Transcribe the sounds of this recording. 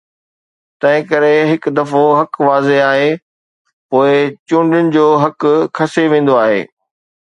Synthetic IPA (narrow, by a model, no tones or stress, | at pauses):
t̪ɐ̃ɦɪ̃kɐɾeɦɪkd̪ɐfoɦɐkʋaːzeaːɦe | poːɪt͡ɕũːɳɖɪʊnɪ̆d͡ʑoːɦɐkkʰɐseʋẽːn̆d̪oaːɦḛː